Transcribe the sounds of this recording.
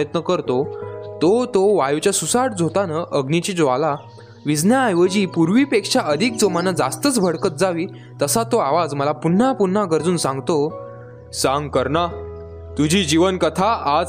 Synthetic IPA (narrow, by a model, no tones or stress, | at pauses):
jət̪nəkəɾt̪ot̪ot̪oʋajut͡ɕjasusaʈd͡zʱot̪anaʔəɡnit͡ɕid͡zʋala | ʋid͡znjaːjʋəd͡ʑiːpuɾʋiːpekʂaʔəd̪ʱik̚d͡zomanad͡zast̪ət͡sbʱəɽkət̪̚d͡zaʋiː | t̪əsat̪oaʋad͡zməlapun̤ːapunːaɡəɾd͡zuːnsãŋɡt̪o | sãŋɡkəɾna | t̪ud͡ʑʱid͡ʑiʋənkət̪ʰaad͡z